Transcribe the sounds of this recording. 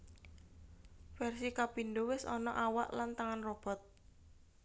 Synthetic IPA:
fɛrsikapind̪owɪsɔ̰nɔ̰ʔawa̰ʔlant̪aŋanrɔb̥ɔ̤t̪̚

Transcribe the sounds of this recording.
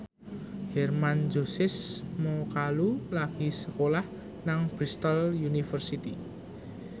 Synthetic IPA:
hɛrmand͡ʒosɪsmokalulaɡ̥isəkolah | naŋb̥ɾist̪aljunifərsit̪i

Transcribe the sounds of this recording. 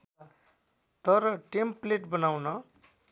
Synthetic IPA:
t̪ʌɾʌʈempleʈbʌnawnʌ

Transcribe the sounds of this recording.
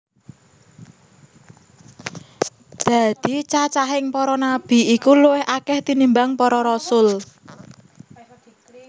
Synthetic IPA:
d̪̥a̤d̪̥i̤t͡ʃat͡ʃaɦɪŋpɔɾɔnab̥i̤ikuluwɪhakɛht̪inimbaŋpɔɾɔɾɔsʊl

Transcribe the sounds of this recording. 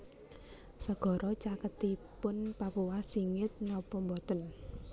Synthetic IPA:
səɡ̥ɔ̤ɾʔɔt͡ʃakət̪ipʊnpapuwasiŋɪt̪̚nɔpɔmbɔt̪ən

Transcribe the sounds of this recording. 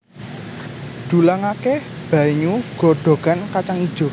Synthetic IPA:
ɖ̪̥ṳlaŋake | b̥a̤iɲuɡ̥ɔ̤ɖ̥o̤ɡ̥a̤nkat͡ʃaŋid̥ʒ̥ɔ̤

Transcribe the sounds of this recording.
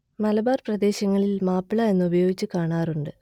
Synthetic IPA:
mɐlɐbaːrprɐd̪e̞ːɕɐŋːɐɭilmaːpːiɭɐe̞nːɨubɐjo̞ːɡit͡ɕːɨkaːɳaːruɳɖɨ

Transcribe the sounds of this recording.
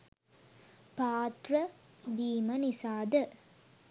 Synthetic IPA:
paːt̪rɐd̪iːmɐnisaːd̪ə

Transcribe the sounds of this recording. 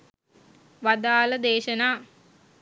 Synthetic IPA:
ʋad̪aːləd̪eːʃənaː

